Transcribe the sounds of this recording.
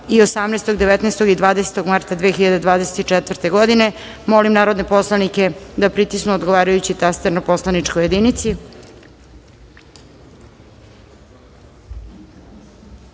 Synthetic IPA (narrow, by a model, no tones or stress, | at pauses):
iosamnest̪oɡd̪eʋet̪nest̪o̞ɡid̪ʋaːd̪ese̥t̪oɡmaɾt̪ad̪ʋeːxiʎad̪e̞d̪ʋaːd̪ese̞̥t̪it͡ʂɛt̪vr̩t̪e̞ɡo̞d̪ine̞ | molimnaːɾo̞d̪ne̞po̞slˠanike̞d̪apɾit̪isnuod̪ɡoʋaːɾajut͡ɕit̪ast̪eɾnopo̞slˠanit͡ʂkoje̞d̪init̪si